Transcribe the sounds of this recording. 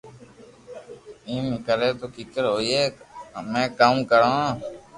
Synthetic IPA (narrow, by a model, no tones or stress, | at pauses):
ĩːmikəɾeːt̪oːkiːkəɾɦoːieːmẽːkaːmkəɾãː